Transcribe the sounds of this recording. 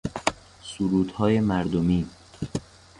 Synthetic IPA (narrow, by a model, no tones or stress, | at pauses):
suɾuːd̪hɒːje̞mæɾd̪omiː